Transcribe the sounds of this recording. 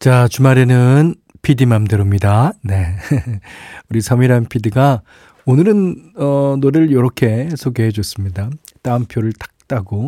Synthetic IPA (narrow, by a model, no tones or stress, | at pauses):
t͡ɕat͡ɕumaɾe̞nɯn | pʰidimamdɯɾomɲidane̞ | uɾisʰamiɾanpʰidiɡa | onɯɾɯnʌnoɾɯɭjʌɾʌkʰe̞sʰoɡeɦed͡ʑʌs͈ɯmɲidat͈aɯmpʰjoɾɯɭtḁk̚t͈aɡo